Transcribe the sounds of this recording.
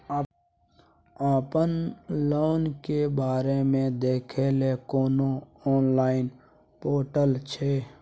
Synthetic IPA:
aːpənloːnkebaːɾemẽd̪eːkʰelekoːnoɔːnlaːɪn | poːʈəlt͡ʃʰeː

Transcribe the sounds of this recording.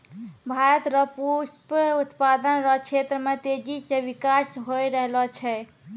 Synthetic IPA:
bʱaɾət̪ɾəpusput̪pad̪ənɾɔkt͡ʃʰet̪ɾəmet̪ed͡ʒiseʋikasɦojɾəɦlɔt͡ʃʰɛ

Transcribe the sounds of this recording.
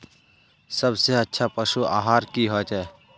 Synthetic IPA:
sɐbseətːʃʰapɐʃua̰ːɦaːɾkiɦoːt̪ɛ

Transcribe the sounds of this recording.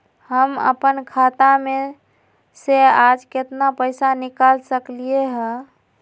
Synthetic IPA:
həmə̰pənkʰat̪ame | sead͡ʒket̪napəjsanikalsəklieɦə̃

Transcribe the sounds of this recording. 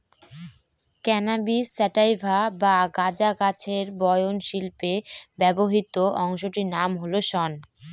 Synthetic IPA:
kɛnabisːɛʈajbʱabaɡad͡ʑakat͡ɕʰeɾbɔjonʃilpebɛboɦit̪oʔɔŋʃoʈinamɦoloʃɔn

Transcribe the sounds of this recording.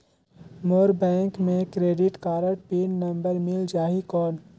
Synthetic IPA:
moːɾbɛ̃ːŋkmẽkɾeːɖɪʈkaːɾəʈpiːnnɐ̃mbəɾmɪld͡ʒaːɦikɔːn

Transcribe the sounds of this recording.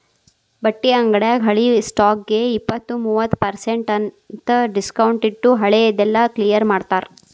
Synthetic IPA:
bɐʈːiɐŋɡɐɽjaːɡɦɐɭisʈaːk̚ɡe̞ipːɐt̪ːumuːʋɐt̪ːpɐɾseɳʈɐn | t̪ɐɖiskɐwɳʈiʈːuɦɐɭejɐd̪ɛlːɐklijɐɾmaːɽt̪aːɾ

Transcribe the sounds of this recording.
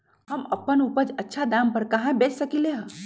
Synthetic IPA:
ɦəməpːənupəd͡ʒətːʃʰad̪ampəɾkaɦãbet͡ʃsəkileɦə̃

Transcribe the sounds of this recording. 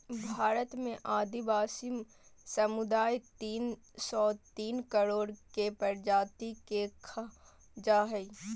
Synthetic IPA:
bʱaːɾət̪mẽʔaːd̪ibaːsim | sɐmʊd̪aːjt̪iːn | sɔːt̪iːnkəɾoːɽkepəɾd͡ʒaːt̪ikekʰa | d͡ʒaːɦɛi

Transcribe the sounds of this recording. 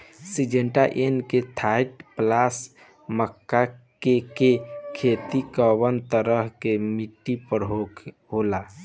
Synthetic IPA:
sid͡ʒeɳʈaʔenket̪ʰaiʈplas | məkːakekekʰet̪ikəβənt̪əɾəɦkemiʈːipəɾɦok | ɦola

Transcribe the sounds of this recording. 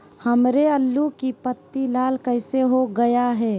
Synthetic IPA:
hɐmɾeɐlːukipət̪ːilaːlkɐɪseɦoɡɐjaɦɛː

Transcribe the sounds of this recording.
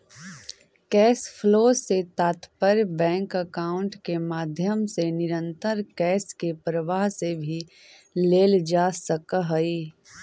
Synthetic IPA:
kɛːspʰloːset̪aːt̪pəɾbɛ̃ːŋkəkaːʊ̃ɳʈkemaːd̪ʱjəmsenɪɾə̃nt̪əɾkɛːskepɾəʋaːɦsebʱi | leːld͡ʒaːsəkɦəiː

